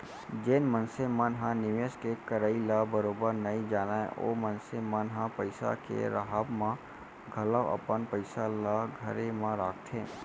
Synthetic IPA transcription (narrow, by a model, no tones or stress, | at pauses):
d͡ʒenmənsẽmənɦãnɪʋeskekəɾəːilabəɾoːbəɾnəĩd͡ʒaːnaḛ̃ʔo̰ːmənsemənɦãpəɪsa̰kḛɾəɦaːbmã | ɡʱəlawʔə̰pənpəɪsalaɡʱəɾemãɾaːkʰt̪ʰẽː